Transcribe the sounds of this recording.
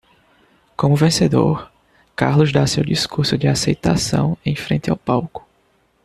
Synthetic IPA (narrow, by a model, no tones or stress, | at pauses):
kõmʊvẽsed̪o̰ɾ | kaɾlʊzd̪asewdiskuɾsʊd͡ʒɪasejt̪asɐ̰̃w̃ẽj̃fɾẽnt̪ɪawpawkʊ̥